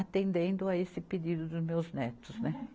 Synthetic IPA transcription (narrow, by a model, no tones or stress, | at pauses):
at̪ẽnd̪ẽnd̪ʊaesɪped̪id̪ʊd̪ʊzmewznɛt̪ʊznɛ